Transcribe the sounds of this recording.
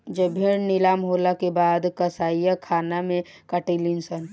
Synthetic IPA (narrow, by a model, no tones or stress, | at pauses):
d͡ʒəbʱiɽnɪlaːmɦoːlakebaːd̪kəsaːijakʰaːnamẽ | kəʈilinsən